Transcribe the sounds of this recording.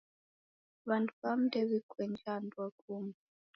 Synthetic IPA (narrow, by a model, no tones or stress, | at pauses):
βantʰuβam̩dɛβikʰwɛnd͡ʒandwakʰumi